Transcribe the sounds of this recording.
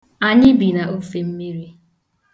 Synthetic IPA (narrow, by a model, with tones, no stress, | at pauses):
a˦ɲɪ˦bi˨na˨o˦fe˨m̩˦mi˦ɾi˦